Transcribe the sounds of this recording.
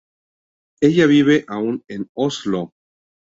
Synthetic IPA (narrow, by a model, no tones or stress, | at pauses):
e̞ʝaβiβe̞ʔaunenoslo